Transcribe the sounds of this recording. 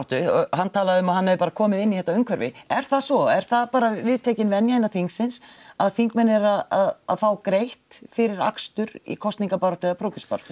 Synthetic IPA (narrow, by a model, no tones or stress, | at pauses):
t̪ʏhant̪ʰaːlaðɪʏmaðhanːɛvɪpaːɾakʰɔːmɪðɪnːiθhɛht̪aœŋkʰvœɾvɪ̰ɛɾ̥θasɔɛɾ̥θaðpaːɾavɪðt̪ʰɛːcɪnvɛnjajnaθiŋksɪnsaðθiŋkmɛnːɛɾaðaða̰ðfaːwkɾejht̪fɪɾɪɾa̰kst̪ʏɾḭkʰɔst̪niŋkapaɾɔt̪ʏapʰɾowcʏspa̰ɾt̪ʏ̥